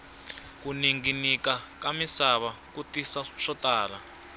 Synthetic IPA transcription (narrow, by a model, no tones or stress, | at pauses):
kuniŋɡinikakamisaβakutisaʂɔtaːla